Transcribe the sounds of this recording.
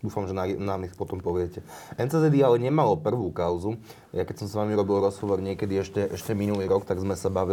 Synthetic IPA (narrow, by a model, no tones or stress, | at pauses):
d̪uːfamʒɛnanamɛxpɔt̪ɔmpɔʋɪɛcɛɛnt͡sɛzɛd̪ialɛɲɛmalɔpr̩ʋukaʊzu | jakɛcsɔmsʋamiɾɔbilɾɔzɦɔʋɔɾɲɪɛkɛd̪iɛʃcɛʔɛʃcɛminuliːɾɔkt̪aɡzmɛsabaʋi